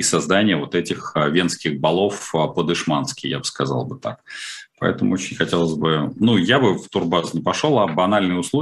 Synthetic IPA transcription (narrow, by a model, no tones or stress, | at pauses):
sɐzd̪anʲɪjəvo̞t̪ɛtʲɪxvʲe̞nskʲɪɣbɐlˠo̞fəpəd̪ɨʂmanskʲɪja̰bɨ̥skɐzɑ̰lˠbɨt̪a̰k̚pɐ̰ɛ̰t̪əmʊ̰ot͡ɕɪnʲxɐtʲelˠəzʲbɨnujabɨft̪ʊrbaznʲɪpɐʂolˠɐbɐnalʲnɨjʊslˠo